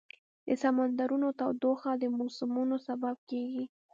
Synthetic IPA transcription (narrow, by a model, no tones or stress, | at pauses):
d̪əsamand̪aɾunot̪awd̪oxad̪əmosɪmunosabab̚keɡi